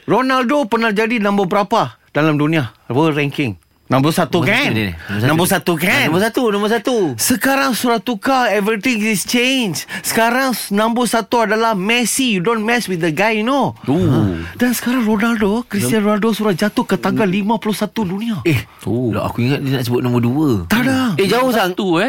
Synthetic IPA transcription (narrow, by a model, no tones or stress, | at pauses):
ronaldopənahd͡ʒadinãmbəbəɾapadalamdunĩawəɾɛŋkɪŋ | nãmbəsat̪ukannãmbosat̪ukanməsat̪unãmbəsat̪usəkaɾaŋsuɾaht̪ukaɛvɾit̪ĩŋist͡ʃend͡ʒsə̥kaɾaŋnãmbʊsat̪uadalahmɛsijudõnmɛswidəɡajunoodansə̥kaɾaŋronaldokɾist̪ianɾonaldosuɾahd͡ʒat̪ʊkːət̪aŋɡalːimãpuluhsat̪udunĩaɛholɔ̰a̰kuiŋat̪̚dinaʔsəbʊt̪̚nɔ̃məduət̪adaed͡ʒaʊhsat̪uɛ